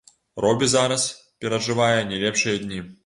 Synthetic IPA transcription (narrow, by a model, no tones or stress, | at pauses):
rɔbʲizaɾɐspʲɛɾɐʐɨvajɐnʲɛlʲɛpʂɨjɐd̪ʲnʲi